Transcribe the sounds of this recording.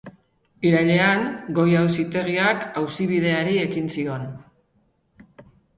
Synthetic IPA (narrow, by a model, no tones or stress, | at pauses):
iɾaʎe̞aŋɡo̞jawsit̪e̞ɣ̞iakawsiβ̞ið̞e̞aɾie̞kinsio̞n